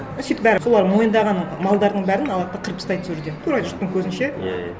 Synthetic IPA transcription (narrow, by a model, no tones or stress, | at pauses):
sijt̪bæɾɪso̞lˠɑɾmo̞jənd̪ɑʁɑnːmɑlˠd̪ɑɾd̪əɴbæɾɪnɑlˠɑt̪ːɑqʰəɾpɪ̥st̪ɑjt̪zɵɾd̪et̪ʰuɾɑʒʏɾt̪ːɪŋkʲʰɵzɪnʃe